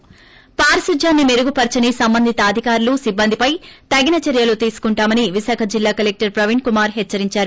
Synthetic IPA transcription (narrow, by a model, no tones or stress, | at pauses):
paːɾɐsud͡ʒʱjaːnːimeɾuɡupɐɾt͡ʃɐnisɐmbɐnd̪ʱit̪ɐːd̪ʱikaːɾulusibːɐnd̪ʱipɐjt̪ɐɡinɐt͡ʃɛɾjɐlut̪iːsu̥kuɳʈaːmɐniʋisaːkʰɐd͡ʒilːaːkɐlek̚ʈɐɾpɾɐʋiɳkumaːɾɦɛt͡ʃːɐɾiɲt͡ʃaːɾu